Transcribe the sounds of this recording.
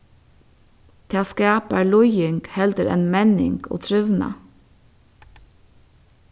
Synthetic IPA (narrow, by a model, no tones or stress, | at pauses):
t̪ʰeːɑːskæːpæːlʊjʏŋɡ̥hɛld̪əɾḛːnmɛnɪ̰ŋɡ̥o̰ːt̪ʰɾʉʋnɑ̰